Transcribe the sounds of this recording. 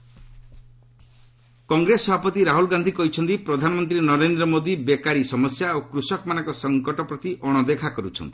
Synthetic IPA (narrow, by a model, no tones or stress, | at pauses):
kɔŋɡɾesːɔbʱapɔt̪iɾaɦulɡand̪ʱikɔɦit͡ʃʰɔnt̪ipɾɔd̪ʱanɔmɔnt̪̬ɾinɔɾend̪ɾɔmod̪ibekaɾisɔmɔsjaokɾusɔkɔmanɔŋkɔsɔŋkɔʈɔpɾɔt̪iʔɔɽ̃ɔd̪ekʰakɔɾut͡ʃʰɔ̰nt̪i̥